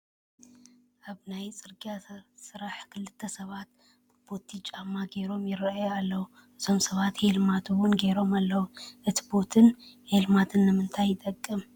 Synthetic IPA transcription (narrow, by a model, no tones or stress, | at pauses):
ʔaβnajt͡sʼɨɾɡʼijasɨɾaħkʰɨlːɨt̪ʰːɐsɐβat̪̚ | bɨb̥o̞t̪ʰit͡ʃʼamːaɡe̞ɾo̞mjɪɾɐajalːɐwu | ʔɨt̪ʰo̞msɐβat̪helmat̪ʰuwʊnɡe̞ɾo̞malːɐwuʔɨt̪ʰi̥bo̞t̪ʰɨnhelmat̪ʰɨnːɨmɨnt̪ʰajːɪt̪ʼɐkʼːɨm